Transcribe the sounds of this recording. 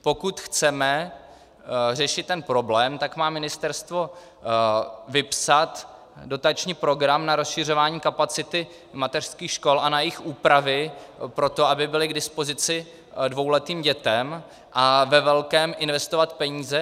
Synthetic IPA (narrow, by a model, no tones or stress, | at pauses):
po̞kut̪xt͡sɛmɛ | rɛʃɪt̪ːɛnpɾo̞blɛːmt̪akmaːmɪnɪst̪ɛɾst̪vo̞ | vɪpsat̪ | do̞t̪at͡ʃɲiːpɾo̞ɡɾamnaɾo̞sʃɪr̝o̞vaːɲiːkapat͡sɪt̪ɪ | mat̪ɛr̥skiːxʃko̞lʔanajɪxʔuːpɾavɪpɾo̞t̪o̞abɪbɪlɪɡdɪspo̞zɪt͡sɪ | dvo̞wlɛt̪iːmɟɛt̪ɛm | ʔavɛvɛlkɛːmʔɪnvɛst̪ovat̪pɛɲiːzɛ